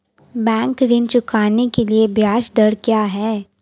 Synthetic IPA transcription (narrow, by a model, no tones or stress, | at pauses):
bɛ̃ːŋkɾɪnt͡ʃʊkaːnekeliebʱjaːʃd̪əɾkjaːɦɛː